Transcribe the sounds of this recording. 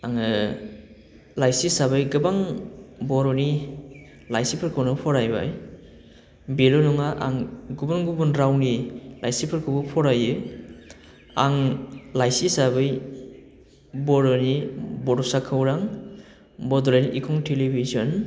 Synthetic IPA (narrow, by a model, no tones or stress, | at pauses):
aŋɯ | lajsisabɯjɡɯbaŋbɔɾɔni | lajsipʰɯɾkʰɯwnɯpʰɔɾajba̰j | belɔnɔŋaʔa̰ŋɡubunɡubunɾawnilajsipʰɯɾkʰɯwbɯpʰɔɾajɯ | aŋlajsisabɯj | bɔɾɔnibɔdɔsakʰːɯwɾaŋ | bɔdɔlajniʔikʰɔŋtʰelibizɔn